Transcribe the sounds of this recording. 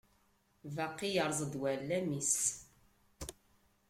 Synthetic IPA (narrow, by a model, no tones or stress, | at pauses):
vaqːijəɾˤzˤəd̪wælːæmis